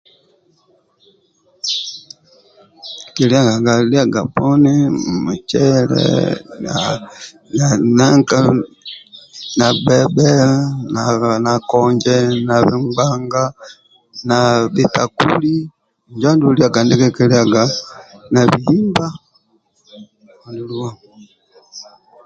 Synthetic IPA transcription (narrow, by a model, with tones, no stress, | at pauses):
ki˨li˦a˦˨ɡa˨ɡa˨li˦a˦˨ɡa˨pɔ˦ni˦mu˨t͡ʃɛ˦lɛ̰˦na | na˨na˦ŋka˦ | na˨bɛ˦bɛ˦na˨na˨kɔɲd͡ʒɛ˦na˨βi˦ŋɡ͡baŋɡa˦ | na˨βi˨ta˨kṵ˦li˦ | ɲd͡ʒa˦ndu˦li˦a˨ɡa˨ndi˦kɛ˦kɛ˦lia˨ɡa˨na˨βi˨himba˦˨ | ndu˨lu˦wa˦ŋ